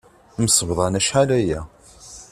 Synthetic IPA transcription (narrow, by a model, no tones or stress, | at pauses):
məsəvðˤɑnæʃħalæjæ